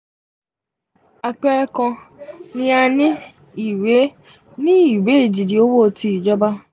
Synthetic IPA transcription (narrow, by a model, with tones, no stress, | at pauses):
a˧k͡pɛ˦ɛ˦kɔ̃˧nĩ˦a˧nĩ˦ | i˨we˨˦ | nĩ˦i˨we˨˦i˦˨d͡ʒi˨di˨o˦wo˦˨ti˧i˨d͡ʒɔ˦ba˦